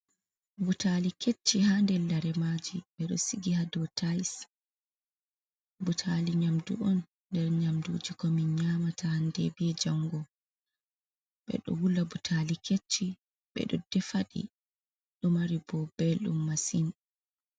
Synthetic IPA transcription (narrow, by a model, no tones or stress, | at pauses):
butalikʰet͡ʃːihandɛlːaɾɛmad͡ʒiɓɛɗɔ̰siɡihadɔtʰajs | butʰaliɲamdṵʔɔnː | dɛɾɲamduːd͡ʒikɔmiɲɲamataandɛ̰biɛd͡ʒaŋɡɔ | ɓɛ̰ɗɔ̰wulabutʰalikʰet͡ʃːi | ɓɛ̰ɗɔ̰dɛfaɗḭ | ɗɔmaɾibɔbɛlɗṵmːasin